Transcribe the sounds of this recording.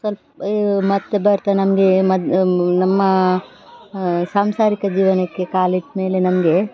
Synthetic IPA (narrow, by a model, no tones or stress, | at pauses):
sɐlp | mɐt̪ːebɐɾt̪anɐmɐɡemɐd̪nɐmːɐ | saːmsaːɾikɐd͡ʒiːʋɐnɐkːe̞kaːliʈme̞ːlenɐmɐɡe̞